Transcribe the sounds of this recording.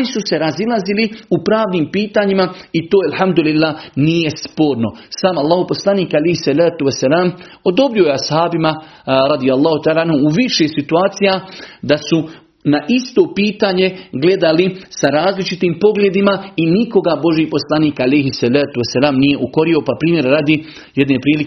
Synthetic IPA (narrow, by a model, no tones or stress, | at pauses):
isuse̞ɾazilˠaziliupɾaːʋniːmpiːt̪aːɲimait̪oːjalhamd̪ulilːaːnije̞spo̞ːɾno̞saːmalˠːaːhopo̞slaniːkalejhisalaːt̪uwesːalaːm | o̞d̪o̞bɾio̞jeashaːbimaɾad̪ijalˠːɑːhut̪aːlaːanhuːʋiʃesit̪uaːt̪sijad̪asu | naʔist̪o̞ːpiːt̪aːɲe̞ɡle̞d̪alisaɾaːzlit͡ʃit̪iːmpo̞ɡlʲjed̪imainiko̞ɡabo̞ʒiːpo̞slˠaniːkalejɦisːalaːt̪uwesːalaːmnije̞ʔuko̞ɾiopapɾiːmje̞ɾɾaːd̪i | jed̪nepɾiːlik